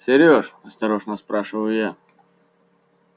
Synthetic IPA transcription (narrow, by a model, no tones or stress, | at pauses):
sʲɪɾʲjoʂɐst̪ɐɾoʐnəspɾaʂɨvəjʊja